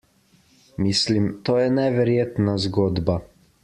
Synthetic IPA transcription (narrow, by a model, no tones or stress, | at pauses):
mislimt̪oːjɛnɛʋɛɾjeːt̪nazɡoːd̪ba